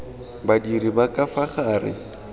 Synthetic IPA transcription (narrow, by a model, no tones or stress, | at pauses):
badiribakʼafaχaːrɪ̰